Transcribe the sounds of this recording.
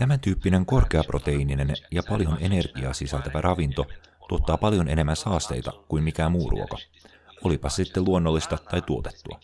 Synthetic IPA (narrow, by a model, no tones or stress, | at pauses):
t̪æmænt̪yːpːine̞ŋko̞rk̟e̞ɑprʔo̞t̪e̞inine̞njɑpɑljo̞ne̞ne̞rɡ̥iɑ̰sisælt̪æʋærʔɑʋint̪o̞t̪uo̞t̪ːɑːpɑljo̞nʔe̞ne̞mːænsɑːst̪e̞̰jt̪ɑ̰kuimmik̟æːmuːrṵo̞kɑ | o̞lipɑssit̪ːeluo̞nːolːist̪ɑt̪ɑjt̪uot̪et̪ːuɑ̰